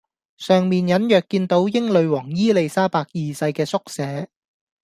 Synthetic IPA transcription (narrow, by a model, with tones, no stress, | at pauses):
sœː˨˩ŋmiː˨njɐ˨˥njœː˨˩kːiː˧nt̪o˨˧˥wjɪ˥ŋlɵ˨˧ɥwɔː˨˩ŋjiː˥le˨˧jsaː˥paː˧k̚jiː˨sɐ˧jkɛː˧sʊ˥k̚sɛː˨˥